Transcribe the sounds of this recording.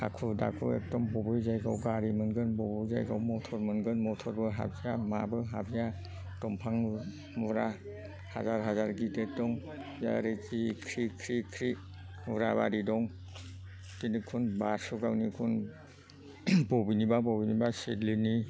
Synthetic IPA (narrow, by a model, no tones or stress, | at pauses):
ha̰kʰuda̰kʰṵḛk̚dɔmbɔbɯjzajɡawɡaɾimɯnɡɯnbɔbɔza̰jɡa̰wmɔtʰɔɾmɯnɡɯnmɔtʰɔɾbɯɦa̰bijamabɯɦabija | tɔmpʰaŋ | mɔɾa | hazaɾɦazaɾɡitet̚dɔŋ | ja̰ɾetikʰɾikʰɾikʰɾi | uɾaba̰ɾidɔŋ | kinikʰunbasɔɡawnikʰun | bɔbinibabɔbinibasedlini